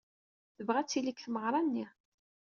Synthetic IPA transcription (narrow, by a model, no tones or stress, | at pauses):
θəvʁæt͡sːilikθməʁɾˤɑnːi